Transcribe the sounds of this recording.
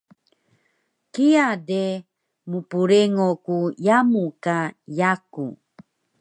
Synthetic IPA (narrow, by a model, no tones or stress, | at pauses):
kiade | mupuɾeŋokujamukajakṵ